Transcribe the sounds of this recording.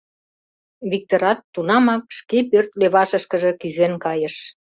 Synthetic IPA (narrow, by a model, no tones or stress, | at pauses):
βik̚t̪oɾɑt̪ːunɑmɑk̚ʃkepørt̪leβɑʃəʃkə̆ʒe̽kyzenkɑjəʃ